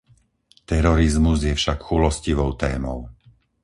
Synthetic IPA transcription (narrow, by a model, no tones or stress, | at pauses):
t̪ɛɾɔɾizmuzjɛfʃakxulɔsciʋɔʊt̪ɛːmɔʊ